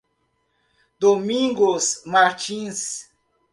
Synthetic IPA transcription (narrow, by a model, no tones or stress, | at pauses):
d̪omĩŋɡosmaɾt͡ʃĩs